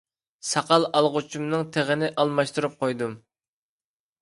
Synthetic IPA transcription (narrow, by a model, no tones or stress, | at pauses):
sɑqɑlˠɑlˠʁʊt͡ʃʰumnɨŋt̪ʰeʁɪnɪʔɑlˠmɑʃt̪uɾup̚qʰojd̪um